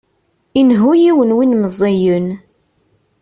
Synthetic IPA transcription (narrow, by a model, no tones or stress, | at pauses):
inɦujiwənwinməzˤːijən